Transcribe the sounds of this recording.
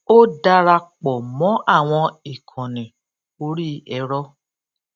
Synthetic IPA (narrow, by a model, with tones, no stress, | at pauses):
o˦da˧ɾa˧k͡pɔ˨mɔ̃˨˦ʔa˦˨w̃ɔ̃˧i˨kʰɔ̃˨nɛ̃˨ | o˧ɾi˦ɛ˧ɾɔ˦